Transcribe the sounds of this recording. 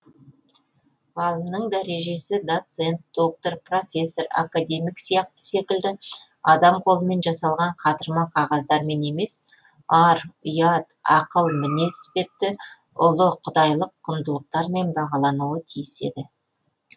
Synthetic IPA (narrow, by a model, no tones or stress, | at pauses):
ʁɑlˠəmnəɴd̪æɾe̞ʒe̞sɪd̪o̞t̪se̞nt̪̚d̪̥o̞k̚t̪o̞rpro̞fʲe̞sːo̞ɾa̰kad̪ʲe̞mijkse̞kʲɪld̪ɪ | ɑd̪ɑmqʰo̞lˠəme̞nʒɑsɑlˠʁɑɴqʰɑt̪əɾmɑqʰɑʁɑzd̪ɑɾme̞ne̞me̞s | ɑɾʊjɑt̪ɑ̰qəlˠmɪne̞spe̞p̚t̪ːɪ | ʊlˠəqʰʊd̪ɑjlˠəqːʰʊnd̪əlˠəq̚t̪ɑɾme̞nbɑʁɑlˠɑnuwət̪ʰijɪse̞̰d̪ɪ